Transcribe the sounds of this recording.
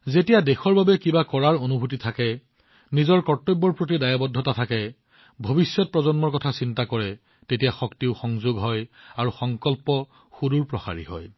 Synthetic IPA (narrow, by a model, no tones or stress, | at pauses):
zetijadexɔɹbabɛkibakɔɹaɹonubʱut̬itʰakɛ | nizɔɹkɔtːobːɔɹpɹot̬idajabɔdʱːɔtatʰakɛ | bʱobisjɔt̚pɹɔzɔnmɔɹkɔtʰasintakɔɹɛ | tetijaxɔktiʊxɔŋzʊɡɦɔjaɹuxɔŋkɔlpɔ | xuduɹpɹɔxa̰ɹḭhɔ̰j